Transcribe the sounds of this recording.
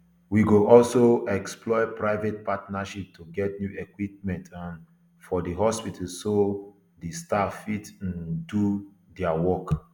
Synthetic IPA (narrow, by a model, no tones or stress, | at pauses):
wiɡoʔɔlsoɛksplɔɪpɹaɪvet̚patnaʃip̚tʰuɡɛt̚njuʔekwip̚mɛ̃ntʰãn | fɔdəɦɔspitʰalso | destafitãndu | dɛawɔk